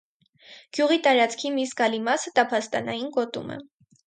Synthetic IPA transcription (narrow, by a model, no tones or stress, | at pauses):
ɡ̥juʁit̪ɑɾɑt͡skʰimiskɑlimɑsət̪ɑpʰɑst̪ɑnɑjinkɔt̪ṵmɛ̰